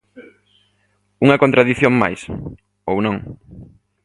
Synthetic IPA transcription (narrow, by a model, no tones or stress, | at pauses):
uŋɐkont̪ɾaðiθjoŋma̰js | ownõŋ